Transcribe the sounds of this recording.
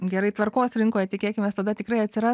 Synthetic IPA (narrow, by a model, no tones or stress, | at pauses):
ɡʲɛɾɐɪt̪ʋɐrkoːsɾʲɪŋkoːjɛt̪ʲɪkʲeːkʲɪmʲeːst̪ɐd̪ɐt̪ʲɪkrɐɪɐt̪ʲsʲɪɾɑ